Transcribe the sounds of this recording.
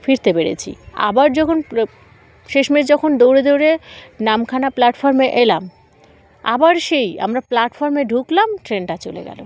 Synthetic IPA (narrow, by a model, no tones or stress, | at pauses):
fiɾt̪epeɾḛt͡ɕʰḭa̰baɾd͡ʑɔkʰon | ʃeʃmeʃd͡ʑɔkʰond̪owɾed̪owɾenamkʰanaplaʈfɔɾmeʔelam | a̰baɾʃeja̰mɾaplaʈfɔɾmeɖʱuklamʈɾenʈat͡ɕolḛɡɛ̰lo̰